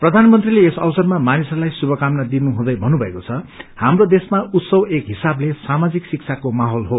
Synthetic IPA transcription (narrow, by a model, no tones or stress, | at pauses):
prʌd̪ʱanmʌnt̪rileːsʌbsʌrmamanisʌlajsubʱʌkamnad̪inuɦũd̪ʌjbʱʌnːubʱʌekot͡sʰʌhamrod̪esmaut̪sʌwekɦisablesamad͡ziksik̚t͡sʰakomaɦolɦo